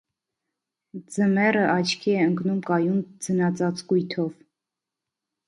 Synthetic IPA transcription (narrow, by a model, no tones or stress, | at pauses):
d͡zəmɛrəʔɑt͡ʃʰkʰiɛəŋknumkɑjund͡zənɑt͡sɑt͡sɡujt̪ʰɔv